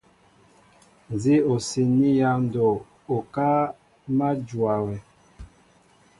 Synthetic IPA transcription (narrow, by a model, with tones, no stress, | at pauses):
n˨zi˦o˨si˨ni˦ja˦n˨do˨ | o˨ka˦ | ma˦d͡ʒwa˨wɛ˨